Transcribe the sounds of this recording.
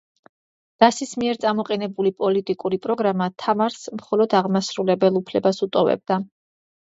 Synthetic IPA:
d̪̥asismiɛɾt̪sʼamɔqʼɛnɛbulipʼɔlit̪ʼikʼuɾipʼɾɔɡɾamat̪ʰamaɾsmχɔlɔd̪aʁmasɾulɛbɛlˠupʰlɛbasut̪ʼɔvɛ̰b̚d̪a

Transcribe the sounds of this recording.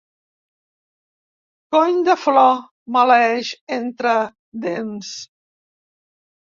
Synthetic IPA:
kɔɲd̪əflɔ | məlɛʃent̪ɾə | d̪ems

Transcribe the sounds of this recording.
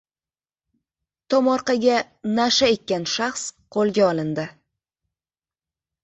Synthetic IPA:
t̪ʰɒmɒɾqɑɡʲa | naʃaet̪̚ʲkʲanʃaχsqʰolˠɡʲaɒlɪnd̪ɪ

